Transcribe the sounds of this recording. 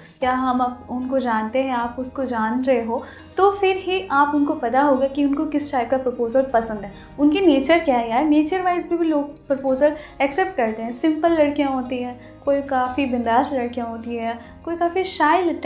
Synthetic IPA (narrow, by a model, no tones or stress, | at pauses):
kjaːɦɐmɐpʊnkod͡ʒaːnt̪eɦɛ̃aːpʊskod͡ʒaːnɾɐɦeɦoː | t̪oːfɪɾɦiʔaːpʊnkopɐt̪aɦoːɡakiʊnkokɪsʈaːɪp̚kapɾopoːzəlpɐsə̃nd̪ɦɛ̃ː | ʊnkineːt͡ʃəɾkjaːjaːɦɛneːt͡ʃəɾʋaːɪzbʱibʱiloːɡ̚pɾopoːzəlɛksɛp̚ʈ̚kɐɾt̪eɦɛ̃sɪ̃mpəlːɐɽkijãɦoːt̪iɦɛ̃ː | koːikaːfibɪ̃nd̪aːʃlɐɽkijãɦoːt̪iɦɛ̃ː | koːikaːfiʃaːɪlʈ